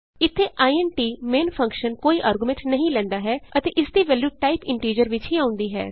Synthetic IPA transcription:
ɪt̪ʰːeːʔaːiɛːnʈiːmeːnpʰə̃ŋkʃənkoːiːʔaːɾɡʊmɛ̃ɳʈnəɦĩːlɛ̃ːnd̪aːɦɛːət̪eːʔɪsd̪iːʋɛːljuːʈaːɪpɪ̃ɳʈiːd͡ʒəɾʋɪt͡ʃɦiːãːʊ̃nd̪iːɦɛ̰ː

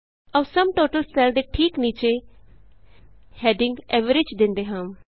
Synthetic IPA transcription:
əːsəmʈoːʈəlsɛːlɖ̪eːʈʰiːkniːt͡ʃeː | hɛːɖɪ̃ŋɡɛːʋəɾɪd͡ʒd̪ɪ̃nd̪eːɦãːm

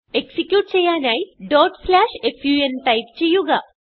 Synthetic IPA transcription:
eksikjuːʈ̚t͡ɕejːaːnaːjɖoːʈplaːʂefʰjuːenʈɐjp̚t͡ɕejːuɡa

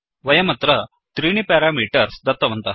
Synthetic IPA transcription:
ʋɐjɐmɐt̪ɾɐ | t̪ɾiːnipɛːɾaːmiːʈɐɾsd̪ɐt̪ːɐʋɐnt̪ɐ

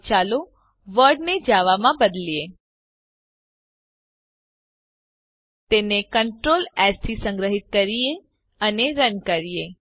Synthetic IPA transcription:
t͡ʃalo | ʋəɾɖned͡ʒaʋamãbəd̪lije | t̪enekəɳʈɾolɛstisə̃ŋɡɾəɦit̪̚kəɾie | əneɾənkəɾije

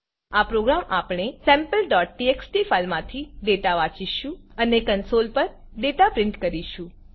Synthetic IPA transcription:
apɾoɡɾamapɳ̃esɛ̃mpəlɖɔʈ̚ʈieksʈifalmãt̪ʰiɖeʈaʋãt͡ʃiʃũənekənsolpəɾ | ɖeʈapɾɪɳʈkəɾiʃũ

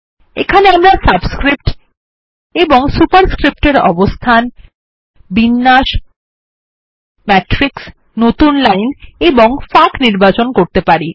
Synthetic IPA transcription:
ḛkʰaneamɾasabskɾip̚ʈ | eboŋsupaɾskɾip̚ʈeɾɔ̰bost̪ʰan | binːaʃ | mɛʈɾiks | not̪unlajneboŋfakniɾbat͡ɕonkoɾt̪epaɾi

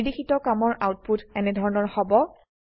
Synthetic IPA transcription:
dixitɔkamɔɹʔawt̚putɛnɛdʱɔɹɔnɔɹhɔbɔ

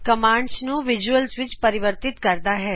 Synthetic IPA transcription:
kəmãɳɖsnũʋid͡ʒuəlsʋɪt͡ʃpəɾiʋəɾt̪it̪kəɾd̪aɦɛ

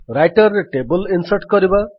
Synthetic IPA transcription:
rajʈʌrʈebʌlinsʌrʈkʌɾiba

